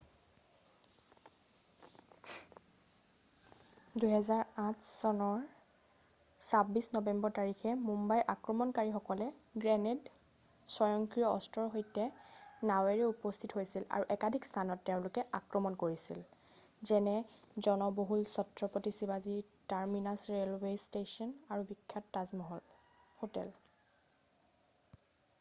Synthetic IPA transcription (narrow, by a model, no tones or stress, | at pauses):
dujɦɛzaɹãtʰsɔnɔɹ | sabisnɔbɛmbɔɹtaɹixɛmumbajʔakɹɔmɔnkaɹixɔkɔlɛɡɹɛned | sɔjɔŋkɹijɔɔ̰stɔɹɦojtɛnawɛɹɛupɔstʰitɦojsila̰ɹuʔɛkadʱikstʰanɔtːeʊ̃nlʊkɛʔakɹɔmɔnkoɹisḭl | zɛnɛzɔnɔboɦulsɔtɹɔpotisibazitaɹminasɹelwestesɔnaɹubikʰːɔtːazmɔɦ | hotɛ̰l